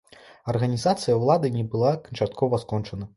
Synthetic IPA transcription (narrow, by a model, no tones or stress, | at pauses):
ɐrɣɐnʲizat̪sɨjɐwlˠad̪ɨnʲɛbɨlˠakɐnt͡ʂat̪̚kʰɔvɐskɔnt͡ʂɐnɐ